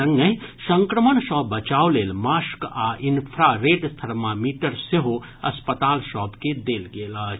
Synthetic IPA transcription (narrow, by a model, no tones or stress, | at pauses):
ɐŋɡəɦsə̃ŋkɾəmənʃɔːbɐt͡ʃaːoleːlmaːʃkaːʔɪnpʰɾaːɾeːʈst̪ʰɐɾmamiːʈəɾseɦo | ɐspət̪aːlʃɔːpked̪eːlɡeːlaː